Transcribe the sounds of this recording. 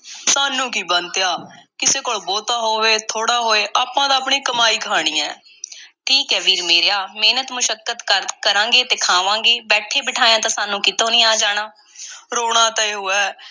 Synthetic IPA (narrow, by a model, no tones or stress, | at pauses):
saːnũːkiːbənt̪ejaːkɪseːkoːɭboːt̪aːɦoːʋeːt̪ʰoːɽaːɦoːeːʔaːpãːd̪aːpɳiːkəmaːiːkəɦaːɽ̃ĩːɛ̰̃ː | ʈʰiːkɦɛːʋiːɾmeːɾeaːmeːnət̪mʊʃəkːət̪kəɾãːŋɡeːt̪eːkʰaːʋãːŋɡeːbɛːʈʰeːbɪʈʰaːjãːt̪ãːsaːnũːkɪt̪oːnĩːaːd͡ʒaːɽ̃aː | ɾoːɽ̃ãːt̪ãːeːɦoːɛː